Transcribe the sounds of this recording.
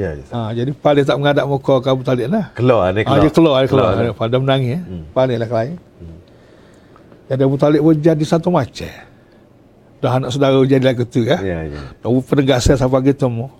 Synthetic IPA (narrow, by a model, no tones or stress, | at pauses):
jad͡ʒadipalɪt̪̬aʔməŋadaʔmokɔkabut̪alɪʔlahkəlɔanãd͡ʒəkəlɔaəkəlɔanpadamənaŋipalɪlahkəlai | d͡ʒadiabut̪alɪʔpəd͡ʒadisant̪ɔmat͡ʃɛ̰ | dɔɦanaʔsədaɣad͡ʒadilakət̪ukanɔʔbupənəɡasasapaɡit̪umɔ